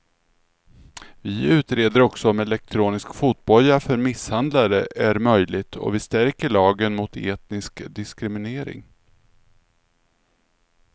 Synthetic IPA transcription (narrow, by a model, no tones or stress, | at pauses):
vɪʉ̟ːt̪ɾeːd̪əɾɔksɔmɛlɛk̚t̪ʰɾuːnɪskfuːt̪̚bɔlːafœɾmɪshand̪laɾəʔæɾmœjlɪt̪ʰɔ̰vɪst̪æɾkəɭɑːɡənmʊt̪ʰḛːt̪nɪskd̪ɪskɾɪmɪneːɾɪ̰ŋ